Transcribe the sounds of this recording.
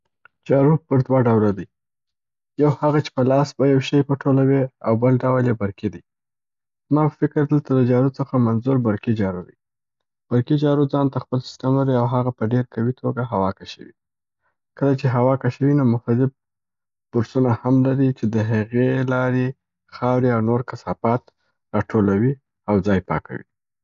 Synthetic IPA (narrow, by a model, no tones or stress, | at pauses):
d͡ʒɑɾupəɾd̪waɖawlad̪əj | jawhaɣat͡ʃe̥pəlɑsbajawʃəjpəʈʰolaweawbəlɖawljebaɾkid̪ij | zmɑpəfɪkəɾd̪əlt̪aləd͡ʒɑɾut͡səxamanzuɾbaɾkid͡ʒɑɾud̪ə̰j | b̥aɾkid͡ʒɑɾud͡zɑnt̪axpəlsɪ̥st̪əmlaɾiawɦaɣapəɖeɾkawit̪ʰoɡaɦawɑkaʃə̰wḭ | kəlat͡ʃeɦawɑkaʃəwinomʊxt̪ad̪ɪb̚ | b̥ʊɾsunahamlaɾit͡ʃed̪əɦaɣelɑɾe | xɑwɾiawnoɾkasɑpɑt̪ | ɾɑʈʰolawi | awd͡zɑjpɑ̰kʰa̰wḭ